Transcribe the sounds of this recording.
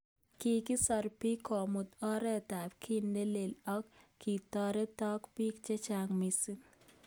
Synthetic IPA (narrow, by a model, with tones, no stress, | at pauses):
ki˨ki˦sɔ˧ɾpi˦kʰɔ˨mu˨t̪ɔ˦ɾɛ˦t̪a˨pkʰi˦nde˦le˨lɔ˦kʰːi˨t̪ɔ˦ɾɛ˦t̪ɔ˦kpi˦kt͡ʃe˦t͡ʃaŋmisi˦ŋ